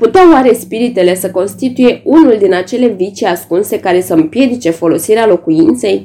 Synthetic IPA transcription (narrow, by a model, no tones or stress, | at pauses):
put̪eaoaɾe̞spiɾit̪e̞le̞səko̞nst̪it̪uje̞unuld̪inat͡ʃe̞le̞vit͡ʃiaskunse̞kaɾe̞səɨmpje̞d̪it͡ʃe̞fo̞lo̞siɾealo̞kujint̪se̞j